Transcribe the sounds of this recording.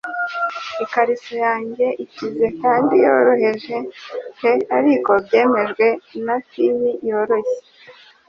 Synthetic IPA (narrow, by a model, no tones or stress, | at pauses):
ikaɾisojaːɲɟe̞ʔicize̞kaːndijoːɾo̞he̞ʒekeaɾiko̞bɟe̞ːme̞ʒɡwe̞natimijo̞ɾo̞çe